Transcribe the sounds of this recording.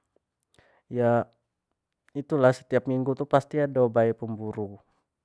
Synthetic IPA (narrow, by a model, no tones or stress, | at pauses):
ja | it̪ulahsə̥t̪iapmiŋɡut̪upast̪iadabaɛpəmbuɾu